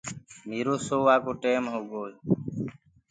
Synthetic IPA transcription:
miːɾoːsoːʋaːkoːʈeːmɦoːɡoː

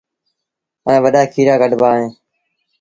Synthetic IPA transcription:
ə̃ːʋəɗaːkʰiːɾaːɡəɖʱbaːɦẽː

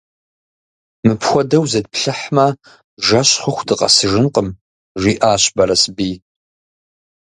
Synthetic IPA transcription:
mɨpʰxʷɔdɐwzɐd̚pʰɬɨħmɐ | ʒɐɕχəxʷdɨqʼɐ̰sɨʒɨnqʼəm | ʒʷiːʔaːɕbɐɾɐsbiː

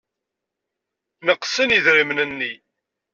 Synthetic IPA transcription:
nəqsəniðɾimnənːi

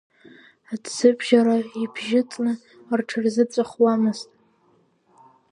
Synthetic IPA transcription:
adsɨbʒaɾaibʰʒɪt͡sʼnɨ | rʈ͡ʂʰarzɨt͡sʷʼaχwamɨztʼ

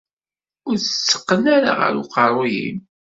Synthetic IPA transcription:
ʊɾət͡sːə̥qːənaɾa̰ʁə̰ɾuqɑrˤːojḭm

